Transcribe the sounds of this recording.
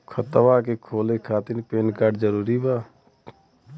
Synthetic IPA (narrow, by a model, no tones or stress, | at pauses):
kʰət̪ʋakekʰoːlekʰaːt̪inpeːnkaːɾɖd͡ʒəɾuːɾibaː